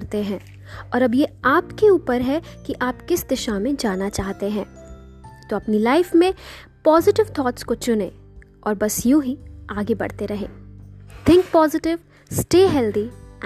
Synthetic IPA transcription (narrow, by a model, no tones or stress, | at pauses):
ɾt̪eɦɛ̃ː | ɔːɾɐbjeaːpkeuːpəɾɦɛkiʔaːpkɪsd̪ɪʃamẽd͡ʒaːnat͡ʃaːɦt̪eɦɛ̃ː | t̪oɐpnilaːɪfmẽ | pɔːzɪʈɪʋt̪ʰɔːʈskot͡ʃʊnẽ | ɔːɾbɐsjõɦiaːɡebɐ̰ɽt̪eɾɐɦḛ̃ːt̪ʰɪ̃ŋk̚pɔːzɪʈɪʋ | sʈeːɦɛːld̪i